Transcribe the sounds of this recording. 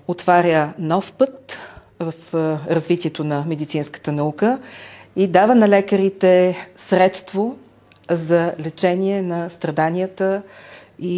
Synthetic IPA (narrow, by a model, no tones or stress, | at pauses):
ot̪vaɾʲənɔfpɤt̪ | vəfɾɐzvit̪iɛt̪onɐmɛd̪it̪sinskə̥t̪ənɐukəid̪avənɐlɛkəɾit̪ɛsɾɛt̪st̪vo | zɐlɛt͡ʃɛnʲiɛnɐst̪ɾɐd̪anijət̪ə | i